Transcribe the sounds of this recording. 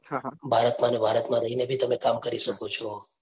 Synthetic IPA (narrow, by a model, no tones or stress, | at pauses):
bʱaɾət̪mãnebʱaɾət̪mãɾəɦinebʱit̪əmekamkəɾiʃəkot͡ʃʰɔ